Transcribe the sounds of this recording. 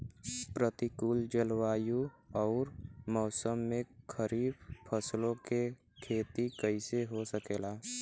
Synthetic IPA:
pɾət̪ikuːld͡ʒəlwaːjuɔːɾmɔːsəmːẽkʰəɾiːbpʰəslõke | kʰeːt̪ikəɪseɦosəkeːlaː

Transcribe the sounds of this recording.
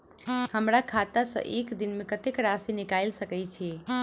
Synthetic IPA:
həmɾakʰat̪asə̰̃ʔekd̪inmekət̪ekɾasinikajlsəkɛt͡ʃʰɛ

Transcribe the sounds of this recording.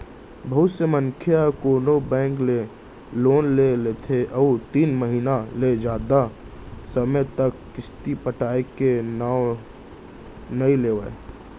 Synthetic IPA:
bʱəɦʊt̪səmənkʰjakoːnobɛ̃ːŋkle | loːnlelet̪ʰeʔɔut̪iːnməɦiːnaled͡ʒjaːd̪a | səməjt̪əkːɪst̪ipəʈaːekena | nəileːʋəe

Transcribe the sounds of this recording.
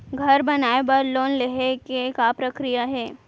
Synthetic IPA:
ɡʱɐɾbɐnaːebɐɾloːnleɦekekapɾɐkɾijaɦɛː

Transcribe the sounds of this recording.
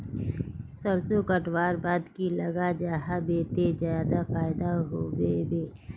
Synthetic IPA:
səɾsokəʈwaːɾbaːd̪kiləɡad͡ʒaːɦabeːt̪ed͡ʒjaːd̪afaːɪd̪aɦowebeː

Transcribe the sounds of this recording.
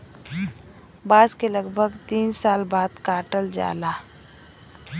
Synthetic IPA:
baːzkeləɡbʱəɡt̪iːnsaːlbaːd̪kaːʈəld͡ʒa̰ːlaː

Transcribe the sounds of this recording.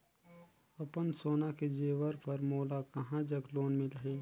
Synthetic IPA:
ɐpənsoːnaked͡ʒeːʋəɾpɐɾmoːlakɐɦãd͡ʒɐɡloːnmẽlɐɦeː

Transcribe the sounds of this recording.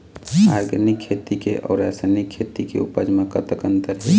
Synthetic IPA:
aːɾɡənikʰːeːt̪ikeʔɔ̰ːɾɛːsənikʰːeːt̪ikḛupəd͡ʒmakət̪əkənt̪əɾɦɛ

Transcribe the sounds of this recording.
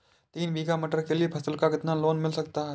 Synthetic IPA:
t̪iːnʋiːɡamiʈəɾkeliepʰɐsəlkakɪt̪naloːnmɪlsəkt̪a

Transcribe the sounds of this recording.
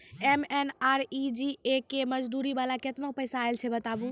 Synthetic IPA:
emenaɾid͡ʒiekeməd͡ʒd̪uɾibalaket̪napəjsaːelt͡ʃʰɛbət̪abu

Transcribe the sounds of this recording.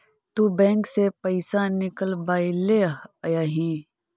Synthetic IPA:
t̪ubɛ̃ːŋksepɐɪsanɪkəlbaːileɦɐjaːɦĩː

